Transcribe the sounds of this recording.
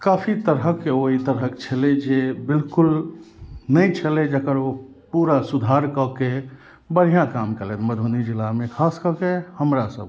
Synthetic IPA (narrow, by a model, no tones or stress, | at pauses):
kapʰit̪əɾɦəkeoɦit̪əɾɦəkt͡ʃʰəled͡ʒebɪlkʊl | nəĩt͡ʃʰəled͡ʒəkəɾo | puɾasud̪ʱaɾkɔke | bəɽ̤ijãkaːmkəlet̪məd̪ʱunid͡ʒilamẽkʰaskəkehəmɾasə̰b̚